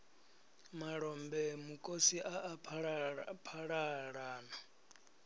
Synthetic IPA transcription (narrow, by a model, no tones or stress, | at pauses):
maɺɔmbɛmukʼosiʔa | pʰaɺaɺaːna